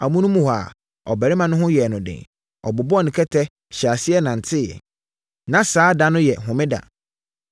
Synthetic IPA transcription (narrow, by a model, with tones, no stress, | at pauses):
a̰˨mũ˦nũ˦mũ˦ha˨ | ɔ˨bɛ˨ɾɪ˦mã˨nʊ̃˦ɦʊ̃˦jɛ˨nʊ̃˨dɪ̰̃˨ŋ | ɔ̰˨bʊ˨bʊ˦ɔ˦nɪ̃˨kʰɛ˦tʰɛ˦ | ɕa˨sɪ˦ɛ˦nã˨n̩˨tʰɪ˦jɛ̰˨ | nã˨saː˨˦da˨nʊ̃˦jɛ˨ɦʊ̃˨mɪ̃˦da̰˨